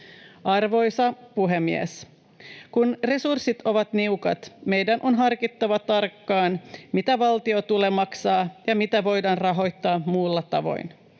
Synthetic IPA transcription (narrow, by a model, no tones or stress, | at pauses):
ʔɑrʋo̞jsɑpuɦemːies | kunre̞sursit̪o̞ʋɑt̪niukɑ̰t̪me̞jdænʔo̞nɦɑrkit̪ːɑʋɑt̪ɑrkːɑːnmit̪æʋɑlt̪iot̪ule̞mɑksɑːjɑmit̪æʋo̞jdɑːnrɑɦo̞jt̪ːɑːmuːlːɑt̪ɑ̰ʋo̞̰jn